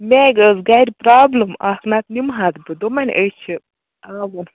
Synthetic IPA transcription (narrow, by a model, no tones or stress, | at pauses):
mʲeɡəzɡaɾʲpɾaːbləmaknat̪nimɦat̪bɨd̪omɐnʲʔət͡ʃʰi | aːʋɐn